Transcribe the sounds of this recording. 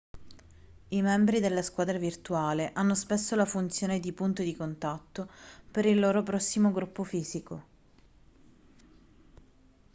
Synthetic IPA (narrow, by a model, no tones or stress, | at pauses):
imɛmbɾid̪elːaskwaːd̪ɾavirt̪uaːleʔanːospesːolafunt̪sjoːned̪ipunt̪od̪ikont̪at̪ːopeɾilːoːɾop̬ɾɔsːimoɡɾupːofiːziko